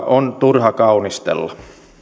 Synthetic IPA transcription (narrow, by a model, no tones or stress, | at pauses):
ʔont̪urhɑkɑunist̪ḛlːɑ